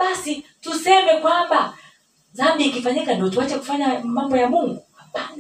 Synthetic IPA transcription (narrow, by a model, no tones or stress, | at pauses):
ɓasitusɛmɛkwamba | zamɓiːkifaɲikandiɔtuwat͡ʃɛku̥faɲamambɔjamuŋɡu